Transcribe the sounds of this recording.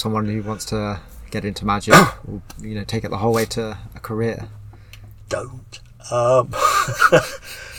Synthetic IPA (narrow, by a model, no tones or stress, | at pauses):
sʌ̃mwɒ̃nhʉwɒ̃ntstʰəɡ̥ɛɾɪ̃ntʰəmad͡ʒɪkɪ̰jɨnoʊtʰeɪkɪʔðəɦoʊlˠweɪtʰəːkʰəɹɪə | d̥õʊ̃nt | ʌm